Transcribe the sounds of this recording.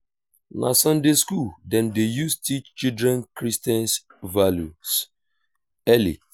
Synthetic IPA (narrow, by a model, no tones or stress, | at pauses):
na̰sãndeskuldɛ̃ndejustʰit͡ʃt͡ʃidɾɛ̃nkɹistɛ̃ns | valjus | ɛlḭ